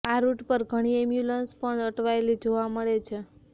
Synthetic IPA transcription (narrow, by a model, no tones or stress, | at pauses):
aɾuʈpəɾɡʱəɽ̃iemjulənspəɳəʈʋaelid͡ʒoʋaməɭet͡ʃʰe